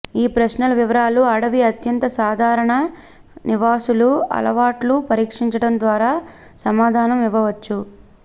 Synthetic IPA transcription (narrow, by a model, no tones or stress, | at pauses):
iːpɾɐsnɐlɐʋiʋɐɾaːluɐɽɐʋiɐt̪jɐnt̪ɐsaːd̪ʱaːɾɐɳɐ | niʋaːsuluɐ̰lɐʋaːʈlupɐɾiːkʂiɲt͡ʃɐɽɐnd̪ʋaːɾaː | sɐmaːd̪ʱaːnɐmiʋɐʋɐt͡ʃːu